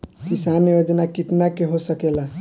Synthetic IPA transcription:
kɪsaːniʋod͡ʒnakɪt̪nakeɦosəkeːla

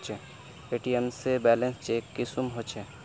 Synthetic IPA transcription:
t͡ʃʰe | eːʈiemsebɛːlẽnst͡ʃeːkːisumɦot͡ʃʰe

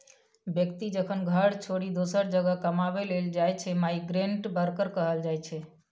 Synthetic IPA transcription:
bjəkt̪id͡ʒəkʰənɡʱəɾt͡ʃʰoɽid̪osəɾd͡ʒəɡəkəmaβeleld͡ʒajt͡ʃʰɛmaiɡɾeɳʈbəɾkəɾkəɦəld͡ʒajt͡ʃʰɛ

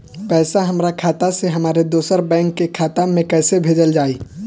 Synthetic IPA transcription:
pɛːsaɦɐmɾakʰaːt̪aseɦɐmaːɾed̪oːsəɾbɛ̃ːŋkːekʰaːt̪amẽkɛːsebʱeːd͡ʒəld͡ʒaːiː

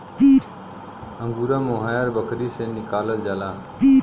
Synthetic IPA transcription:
i | əŋɡuːɾãːmoːɦaːjəɾbəkʰɾiːseːnɪkaːləld͡ʒaːlaː

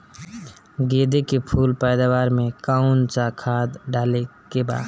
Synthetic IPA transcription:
ɡed̪ekepʰuːlpəɪd̪awaɾmẽkaʊnt͡ʃakʰad̪ɖalekeba̰ːd̪

